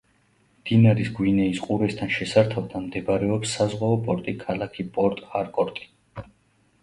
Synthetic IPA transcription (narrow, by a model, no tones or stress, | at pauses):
md̪̥inaɾisɡwinɛisqʼuɾɛst̪ʰanʃɛsaɾt̪ʰavd̪amd̪ɛbɾɛɔpsːazʁwaɔpʼɔɾt̪ʼikʰalˠakʰipʼɔɾt̪ʼaɾkʼɔɾt̪ʼi̥